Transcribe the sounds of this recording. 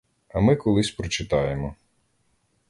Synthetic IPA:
ɐmɪkɔlˠɪsʲpɾɔt͡ʃɪt̪ɑjemɔ

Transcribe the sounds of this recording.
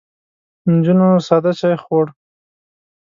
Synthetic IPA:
nd͡ʒunosad̪at͡ʃajxwoɽ

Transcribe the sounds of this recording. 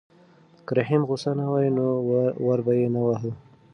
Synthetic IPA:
kaɾaɦimɣʊsanawajnowaɾbajenawaɦəl

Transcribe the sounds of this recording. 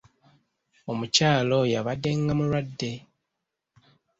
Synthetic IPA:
omucaːlo̞jaβade̞ŋɡamuɾwadːe̞

